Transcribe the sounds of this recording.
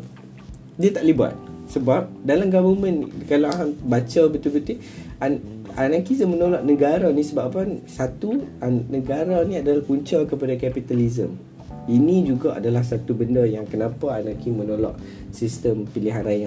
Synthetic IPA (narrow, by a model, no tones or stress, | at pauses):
diat̪aʔliba̰t̪̚səbap̚dalamɡabəmə̃nkalaaɦambat͡ʃabət̪ubət̪i | aanakizəmːənolɔʔnəɡaɾanĩsəbapansat̪uanəɡaɾanĩadalahkuɲt͡ʃakəpadakapit̪alizə̰m | inĩd͡ʒuɡaʔa̰dalahsat̪ubəndəjaŋkənãpaanakimənolɔ̰ʔ | sist̪əmpiliɦanɾajan